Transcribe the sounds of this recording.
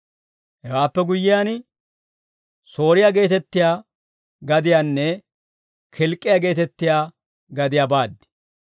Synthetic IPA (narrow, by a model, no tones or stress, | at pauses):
hɛwaːpːɛɡʊjːɪjaːn | so̞ːɾɪjaɡe̞ːt̪ɛt̪ːɪjaː | ɡɐd̪ɪjaːnːɛ | kʰɪlkʼːɪjaɡe̞ːt̪ɛt̪ːɪjaː | ɡɐd̪ɪjaːbaːd̪ːɪ̥